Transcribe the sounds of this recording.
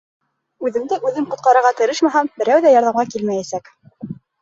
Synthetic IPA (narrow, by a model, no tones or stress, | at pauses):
ʉðɘ̆md̪ɘʔʉðɘmqŏt̪̚qɑɾɤ̆ɾʁɑt̪ɘ̆ɾɘʃmæɦæmbɘ̆ɾæwðæjɑɾðɑmʁɑkilmæjæsæk